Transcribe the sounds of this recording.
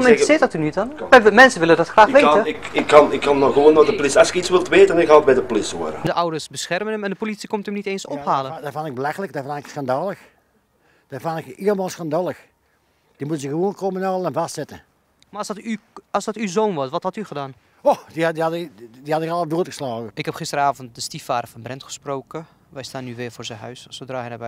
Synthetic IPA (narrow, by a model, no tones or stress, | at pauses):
mɪsɪtdɔtynytɔnɛmɛnsəʋɪlədɔtxraːxʋeːɪkɪkːɑnɪkːɑnɔɣəʋoːndɔtdəplɪsɑlˠsɪkisʋɪlˠtʋeːtənɪkhaət̚bɛdəplɪso̰əɾə̰dəʔʌwdərsbəsxɛrmənəmɛndəpolitsikɔmtəmniteːnsɔphaːlədafɔnɪɡ̚bəlaxələk̚dfnɪksxandaːlˠəx | d̥afanɪkiəlˠmaːlˠsxandaːlˠəx | d̥imutəzəɣəʋoːnkominaːləənvastsɪtə | mastyɑlˠsdɔtyzoːnʋɑsʋɑthɑtyχədaːn | oxdidiɑddihɑtɪkɑlˠədoːtɣə̥slɑːɣəʔɪkhɛpχɪstərəaːvənt̚dəstifaːdərvɑnbrɛntχə̥sprowkə | ʋɛjstaːnːyʋɪːrvʊːrzɛnɦœ̰ɥsɔsʋədraːənabɛ